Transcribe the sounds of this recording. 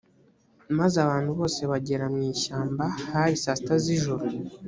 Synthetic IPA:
mazaβaːn̥huβo̞ːse̞βaɟe̞ɾamŋiːʃaːmbahaɾisasitaziʒuɾu

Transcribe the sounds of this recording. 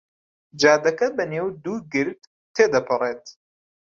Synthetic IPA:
d͡ʒaːd̪ɐkɐbɐneːwd̪uːɡɨɾd̪ | t̪ʰːeːd̪ɐpʰɨreːt̪

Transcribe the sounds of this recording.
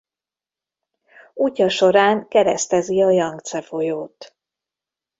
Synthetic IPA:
ucɒʃo̞ɾaːŋkɛɾɛst̪ɛziɒjɒŋɡt̪sɛfo̞joːt̪

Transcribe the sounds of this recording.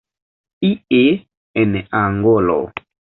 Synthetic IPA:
ie | ɛnɛʔaŋɡɔlɔ̰

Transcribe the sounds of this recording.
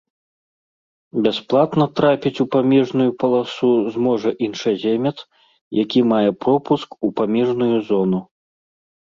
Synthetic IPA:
bʲasplˠat̪nɐt̪ɾapʲit͡sʲupamʲɛʐnujupɐlˠasuzmɔʐɐʔinʂazʲemʲɐt̪s | jakʲimajɛpɾɔpuskupamʲɛʐnujuzɔnu

